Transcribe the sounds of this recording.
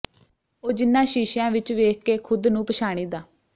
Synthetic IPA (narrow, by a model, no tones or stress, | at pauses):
oːd͡ʒɪnːãːʃiːʃjãːʋɪt͡ʃʋeːkʰkeːkʰʊd̪nũːpəʃaːɽ̃iːd̪aː